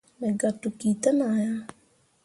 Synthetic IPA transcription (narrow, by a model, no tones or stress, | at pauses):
meɡɐt̪ːukiːt̪ənaːja